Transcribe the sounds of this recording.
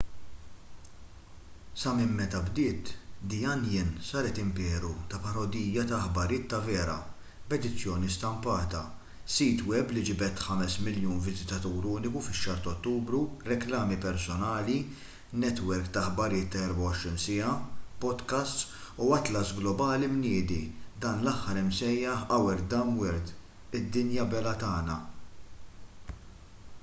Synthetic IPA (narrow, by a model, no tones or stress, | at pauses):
sɐmɪmːɛt̪ɐbd̪ɪːt̪d̪ijɐnjɪnsɐːɾɛt̪ɪmpɛːɾut̪ɐpɐɾɔd̪iːjːɐt̪ɐħbɐɾɪːt̪ːɐvɛːɾɐ̰ | bɛd̪ɪt͡sːjɔːnist̪ɐmpɐːt̪ɐ | siːt̪wɛblid͡ʒɪbɛt̪ħɐmɛsmɪljuːnvɪzɪt̪ɐt̪uːɾuːnɪkufɪʃːɐːɾt̪ɐɔt̪ːuːbɾuɾɛklɐːmipɛɾsɔnɐːli | nɛt̪wɛɾkt̪ɐħbɐɾɪːt̪ːɐɛɾbɐwɔʃɾinsɪɐpɔd̪kɐst̪suɐt̪lɐsɡlɔbɐːlimnɪːd̪id̪ɐːnlɐħːɐɾɪmsɛjːɐħɐwɛɾd̪ɐmwɛɾd̪ | ɪd̪ːɪnjɐbɛlɐt̪ɐːnɐ̰